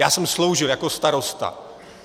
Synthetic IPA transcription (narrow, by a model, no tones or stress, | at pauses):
jaːsɛmslowʒɪljakost̪aɾo̞st̪a̰